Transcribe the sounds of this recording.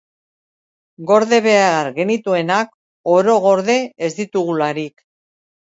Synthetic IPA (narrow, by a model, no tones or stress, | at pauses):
ɡo̞ɾðe̞βe̞aɾɣe̞nit̪ue̞nak | o̞ɾo̞ɣo̞ɾðe̞ːzd̪it̪uɣulaɾik